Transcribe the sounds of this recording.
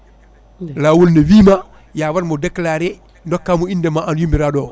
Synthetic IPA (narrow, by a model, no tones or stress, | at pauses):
laːwolnewiːma | jaːwaɾmɔdɛklaːɾɛ | ndɔkːamuindɛmaʔanjumbiɾaɗɔ